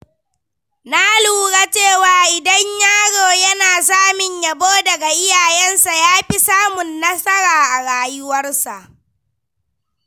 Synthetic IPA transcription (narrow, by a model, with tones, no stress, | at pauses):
na˦luː˨ɽaː˦t͡ʃeː˦˨waː˨ʔɪ˨dɐ˦ɲjaː˦ɽoː˨jɐ˦naː˨s̬aː˦mɪ˨ɲja˨boː˦dɐ˨ɡa˨ʔɪ˦jaː˨jɛ˦nsa˨jaː˦ɸi˦saː˦mʊ˨nːɐ˦sɐ˦ɽaː˨ʔa˨ɽaː˦jʊ˦wɐ˦rsa˨ʔ